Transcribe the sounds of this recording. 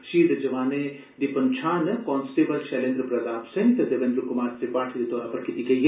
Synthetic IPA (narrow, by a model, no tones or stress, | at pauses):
ʃiːɽɐd͡ʒɐʋaːne | d̪ipɐnt͡ʃʰaːnɐkɔːnsʈeːbɐlʃeːlẽnd̪ɾɨpɾɐd̪aːpsẽnt̪ɐd̪ɐʋẽnd̪ɾɨkʊmaːɾt̪ipaːʈʰd̪it̪oːɾapɐɾkit̪ikej